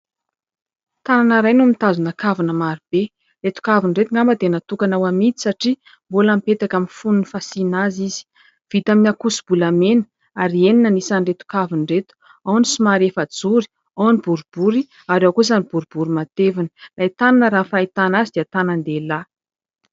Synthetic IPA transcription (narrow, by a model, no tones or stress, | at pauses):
t̪ananəɾajnumit̪azunakavanəmaɾib̥e | ret̪u̥kavinret̪uŋɡambad̪enat̪ukanawamid͡zi̥saʈ͡ʂi | mbolamipet̪akaminfununifasinaziz̥i̥ | v̥it̪aminakusu̥bulamenə̥ | aɾieninənisaniret̪u̥kavinret̪u̥ | awnisimaɾefad͡zuɾi̥ | awnibuɾub̥uɾi | aɾewakuzanib̥uɾub̥uɾimat̪evinəlait̪ananəɾanfait̪anazid̪iat̪anand̪ela